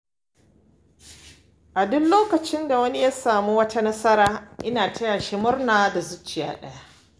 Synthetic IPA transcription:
ʔa˨dʊ˦nloː˦kɐ˨t͡ʃɪ˦nda˨wɐ˦ni˦ja˦saː˨mu˦wɐ˦tʰa˦nɐ˦sɐ˦ɾaː˦ʔɪ˦naː˨tʰɐ˦jaː˨ʃɪ˦mʊ˦rnaː˨da˨zʊ˦t͡ʃːɪ˨ja̰ː˦ɗɐ̰˦ja˦ʔ

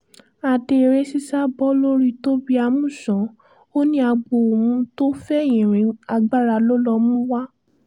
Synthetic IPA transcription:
a˧de˧˨ɾe˦si˦sa˦bɔ˦lo˦ɾi˦to˦bi˦a˧mũ˦˨sɔ̃˨˦ | o˦nĩ˦a˧ɡ͡bo˨o˨mũ˧˦to˦fɛ˦˨jĩ˨ɾ̃ĩ˨˦a˧ɡ͡ba˦ɾa˧lo˦lɔ˧mũ˦wa˦

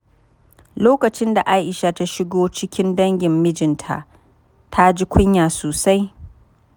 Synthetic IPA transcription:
loː˦kɐ˨t͡ʃɪ˦nda˨ʔa˦ʔɪ˨ʃa˨ta˦ʃɪ˦ɡoː˦t͡ʃɪ˦kʲɪ˦ndɐ˦ŋɡʲɪ˨mːɪ˦d͡ʒɪ˨ntʰa̰˨ʔ | tʰa˦d͡ʒi˦kʷʊ˦ɲjaː˨soː˨sa˦j

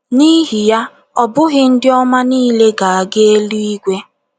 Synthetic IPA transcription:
ni˦ɦi˨ja˦ | ɔ˨bʊ˦ɣɪ˦n̩˦dɪ˦ɔ˦ma˦niː˦le˦ɡa˨a˨ɡe˦e˦lu˦i˦ɡʷe˦

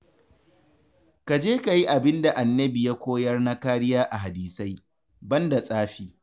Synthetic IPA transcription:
ka˨d͡ʒeː˦ka˨ji˦ʔa˨bɪ˦nda˨ʔa˨nːɐ˦bi˨ja˦kʷoː˦jɐ˦rna˦kaː˦ɽɪ˦jaː˦ʔa˨ɦa˨diː˨sa˦j | bɐ˦nda˨sʼaː˦ɸiː˦

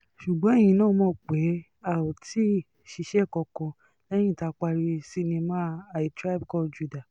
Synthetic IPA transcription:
ʃu˨ɡ͡bɔ̃˦e˦˨j̃ĩ˧˦nãː˦mɔ̃˧˦˨k͡pe˨˦ | a˨o˨ti˦˨ | ʃi˧˦ʃɛ˦˨kɔ˧kɔ̃˧ | lɛ˦j̃ĩ˦˨ta˨˧k͡pa˧ɾi˧si˦˧nĩ˧mã˦a˨i˨tɾa˦˨b̚kɔ˦˨d͡ʒu˧da˨

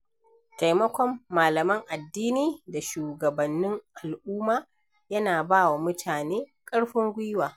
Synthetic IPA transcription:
ta˨jmɐ˦kʷɔ˦mːaː˨lɐ˨mɐ˦ŋʔa˨dːiː˦niː˦da˨ʃuː˨ɡɐ˨bɐ˨nːɪ˦ŋʔa˨lʔuː˦maː˦ | jɐ˦naː˨baː˦wa˨mʊ˦tʰaː˨neː˦kʼɐ˦ɽɸɪ˦ŋɡʷɪ˦jwaː˨

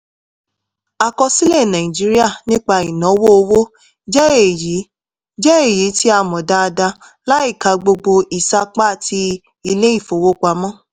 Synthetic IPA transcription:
a˧kɔ˧si˦lɛ˦˨nã˨ĩ˨d͡ʒi˨˦ɾi˦a˦˨nĩ˦k͡pa˧i˨nɔ̃˨˦wo˦o˧wo˦ | d͡ʒɛ˦e˨ji˨˦ | d͡ʒɛ˦e˦˨ji˨˦ti˦a˧mɔ̃˨da˧da˧ | la˦i˦˨ka˧ɡ͡bo˧ɡ͡bo˧i˨sa˧k͡pa˦a˦˨ti˧ | i˧le˦i˦˨fo˨wo˦k͡pa˧mɔ̃˦

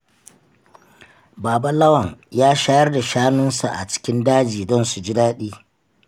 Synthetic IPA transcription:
baː˨ba˦lɐ˦wɐ˨ŋjaː˦ʃaː˦jɐ˦rda˨ʃaː˦nʊ˦nsa̰˨ʔa̰˨t͡ʃɪ̥˦kʲɪ˦ndaː˦d͡ʒiː˨dɔ˦nsu˨d͡ʒɪ˦daː˦ɗiː˦

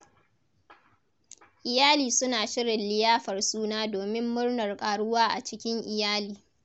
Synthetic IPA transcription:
ʔɪ˨jaː˦liː˨sʊ˦naː˨ʃɪ˦ɾɪ˨nlɪ˦jaː˦ɸɐ˨rsuː˦naː˦doː˨mɪ˦mːʊ˦rnɐ˨rkʼaː˨ɽʊ˦waː˦ʔa˨t͡ʃɪ˦kʲɪ˦ŋʔɪ˨jaː˦liː˨

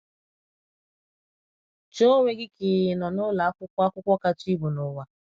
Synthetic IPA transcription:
t͡ʃo˦ŋʷe˦ɡɪ˦kɪ˨nɔ˨nʊ˦la˨a˦kʷʊ˦kʷa˦kʷʊ˦kʷɔ˦ka˦t͡ʃi˦bʊ˨nʊ˨wa˦

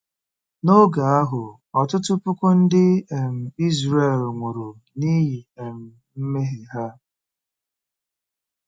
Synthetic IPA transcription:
no˦ɡa˨a˦ɦʊ˨ | ɔ˨tʊ˦tʊ˦pʊ˦kʷʊ˦n̩˦dɪ˦e˨m̩˨i˦zɾe˦˨lŋʷʊ˨ɾo˨ | ni˦ɦi˨e˨m̩˨ | m̩˦me˦ɦe˨ɦa˦

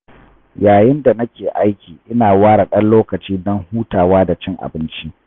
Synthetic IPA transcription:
jaː˨jɪ˦nda˨nɐ˦kʲeː˨ʔa˦jkʲiː˨ʔɪ˦naː˨waː˦ɽa˨ɗɐ˦nloː˦kɐ˨t͡ʃiː˦dɔ˦ŋhuː˦taː˨waː˦da˨t͡ʃɪ˦ŋʔa̰˨bɪ˦nt͡ʃi˦

